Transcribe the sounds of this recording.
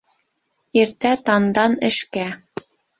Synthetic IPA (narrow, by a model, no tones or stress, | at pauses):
iɾt̪æt̪ɑnd̪ɑnɘ̆ʃkæ